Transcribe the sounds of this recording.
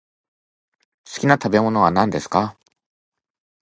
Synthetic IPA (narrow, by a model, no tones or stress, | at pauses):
sɨ̥kʲinat̪abe̞mo̞no̞βanãnd̪e̞sɨ̥ka